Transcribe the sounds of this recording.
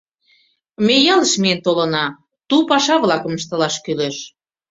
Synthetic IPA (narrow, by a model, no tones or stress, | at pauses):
mejɑləʃmeent̪olə̆nɑ | t̪upɑʃɑβlɑkə̆məʃt̪ə̆lɑʃkyleʃ